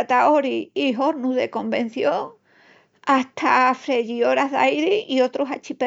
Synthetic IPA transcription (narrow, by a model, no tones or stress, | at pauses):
t̪aoɾiːɦo̞ɾnuzðe̞̰ko̞mbẽ̞n̟θjo̞ŋ | ast̪ʰafɾe̞ʝio̞ɾaɦðajɾiio̞t̪ɾosat͡ʃipe